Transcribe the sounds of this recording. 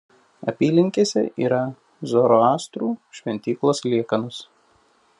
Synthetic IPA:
ɐ̰pʲiːlʲɪŋʲkʲeːsʲɛ̰ʔḭːɾɐ | zoːɾoɑːst̪ɾuːʃʲʋʲɛnʲt̪ʲiːklˠoːslʲiɛkɐnʊs

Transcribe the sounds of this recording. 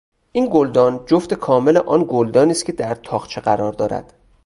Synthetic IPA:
ʔiːnɡold̪ɒːnd͡ʒoft̪ekʰɒːme̞leʔɒːnɡold̪ɒːniːst̪cʰʲe̞d̪æɾt̪ʰɒːχt͡ʃʰeɢæɾɒːɾd̪ɒːɾæ̰d̪̥

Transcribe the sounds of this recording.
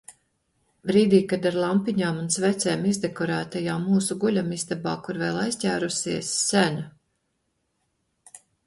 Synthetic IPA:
bɾiːd̪iːkad̪aɾlˠampiɲaːmunsvɛt̪seːmizd̪ekɔɾæːt̪ajaːmːuːsuɡulʲamizd̪abaːkuɾvɛːlˠajstʲæːɾusiɛsːæna

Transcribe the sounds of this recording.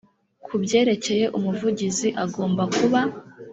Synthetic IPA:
kʰubɟe̞ːɾe̞ce̞je̞ʔumuvuɟiziʔaɡo̞ːmbakuβa

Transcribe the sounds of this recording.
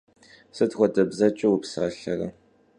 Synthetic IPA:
sɨdxʷɔdɐbzɐt͡ʃʼɪwupsaɬɐrɐ

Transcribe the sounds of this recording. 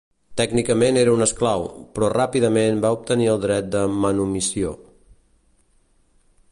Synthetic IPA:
t̪ɛɡnikəmeneɾəunəsklawpɾɔrapiðəmenbaup̚t̪əniəlˠd̪ɾɛt̪̚d̪əmənumisio

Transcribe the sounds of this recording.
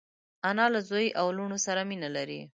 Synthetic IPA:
anɑlazojʔawluɳosaɾaminalaɾi

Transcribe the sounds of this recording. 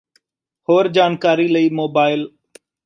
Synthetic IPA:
hoːɾd͡ʒaːnkaːɾiːləiːmoːbaːɪl

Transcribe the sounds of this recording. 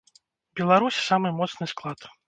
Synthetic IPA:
bʲɛlˠaɾusʲsamɨmɔt̪snɨsklˠat̪

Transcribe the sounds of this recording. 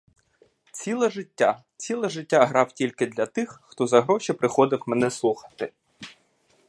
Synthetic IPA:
t͡sʲilˠɛʒɪtʲːa | t͡sʲilˠɛʐɪtʲːaɦɾɑwtʲilʲkɪd̪ʲlʲɐt̪ɪxxt̪ɔzɐɦɾɔʃipɾɪxɔd̪ɪwmɛnɛslˠuxɐ̥t̪ɪ

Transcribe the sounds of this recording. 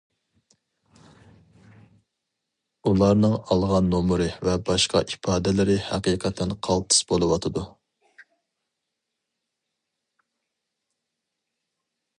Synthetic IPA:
ulˠɑɾnɨŋɑlˠʁɑnːomɾɨvɛbɑʃqɑ̰ʔipʰɑːd̪ɪlɪɾɪhæqiːqʰət̪ʰːɛnqʰɑlˠt̪ʰɨ̥sbolˠɨwɑt̪ʰɨd̪u

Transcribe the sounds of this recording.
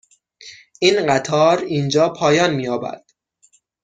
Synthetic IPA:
ʔiːnɢæt̪ʰɒːɾiːnd͡ʒɒːpʰɒːjɒːnmiːjɒːbæ̰ɾd̪̥

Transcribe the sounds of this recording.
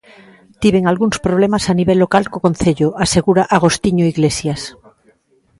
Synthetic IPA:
t̪iβeŋalɣunspɾoβ̞lemasaniβelːokalkoko̞n̟θeʎoʔaseɣuɾaʔaɣ̞o̞st̪iɲoiɣlesjas

